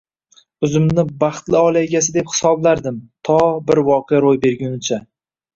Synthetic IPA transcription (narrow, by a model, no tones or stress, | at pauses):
ʊzɪmnɪbɑχt̪lɪɒlˠajɡʲasɪd̪e̞phɪ̥sɒblaɾd̪ɪmt̪ʰɒbɪɾwɒqʰejaɾojbe̞ɾɡʲʊnɪt͡ʃʰa